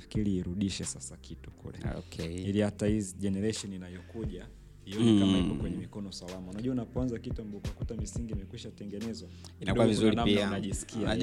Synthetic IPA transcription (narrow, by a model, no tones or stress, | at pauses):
fi̥kiɾiːɾuɗiʃɛsasakitu̥kṵlɛ̰o̰kʰɛilihataiziʄɛnɛɾaʃɔninajɔkuʄa | iɔnɛkamaipɔkwɛɲɛmikɔnɔsalamaunaʄuaunapɔanzakituambɔukakutamisiŋɡimɛkwiʃatɛŋɡɛnɛzwakinakɔuwavizuɾinamnianaʄisi̥kia